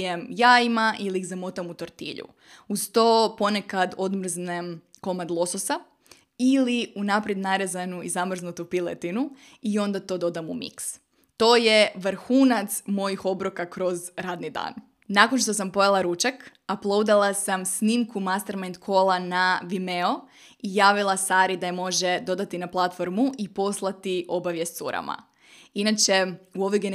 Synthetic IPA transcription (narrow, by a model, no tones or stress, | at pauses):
emjaːimaʔiliːɣzamot̪amut̪oɾt̪ḭʎṵ | ust̪oːpo̞ne̞kad̪o̞d̪mr̩znemko̞mad̪lˠo̞sosa | iliunapɾjed̪naɾezanuizamr̩znut̪upilḛt̪inu | iõ̞nd̪at̪o̞d̪o̞d̪amṵmḭks | t̪o̞ːje̞ʋɾxuːnat̪smo̞jixo̞bɾokakɾo̞zɾaːd̪nid̪a̰ːn | nako̞nʃ̬t̪o̞sampo̞jalˠaɾut͡ʃak | aplˠo̞wd̪alˠasamsnimkumast̪eɾmant̪kʰoːlˠanaʋimeo̞ | ijaːʋilˠasaːɾid̪aemo̞ʒed̪o̞d̪at̪inaplˠat̪fo̞ɾmuʔipo̞slˠat̪iʔo̞baʋje̞st̪sṵɾa̰ma̰ | inat͡ʃeuo̞ʋojɡen